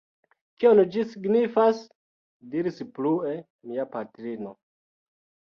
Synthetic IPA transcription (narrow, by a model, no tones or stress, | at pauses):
kiond͡ʒisiɡnifas | diɾisplue | miapatɾino